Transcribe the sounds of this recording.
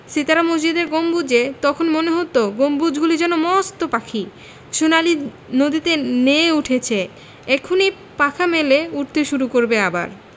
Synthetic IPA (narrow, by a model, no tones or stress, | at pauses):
sit̪aɾamod͡ʑid̪eɾɡombud͡ʑet̪ɔkʰonmoneɦot̪oɡombud͡ʑɡulid͡ʑɛnomɔst̪opakʰi | ʃunali | nod̪it̪eneuʈʰet͡ɕʰe | ɛkʰoni | pakʰameleuʈ̚t̪ʰeʃuɾukoɾbeaba̰ɾ